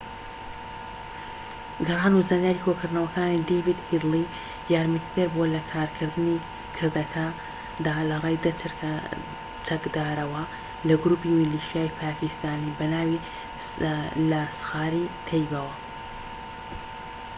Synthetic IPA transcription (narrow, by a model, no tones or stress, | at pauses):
ɡɐrˤaːnuzanjaːɾikʰokɨɾd̪nɐwɐkaːnid̪ebid̪hid̪lˠi | jaːɾmɐt̪ʰi̥t̪ʰɨɾbolɐkʰaːɾkʰɨɾd̪ɨni | kʰɨɾd̪ɐkʰa | d̪aːlɐrˤaːjd̪ɐt̪ʰɨɾkʰɐ | t͡ʃʰɐkd̪aːɾɐwɐ | lɐɡɾuːpimiliʃijaːjpʰaːkist̪aːnibɐnaːwi | lɐsɨ̥xaːɾit̪ʰejbɐwɐ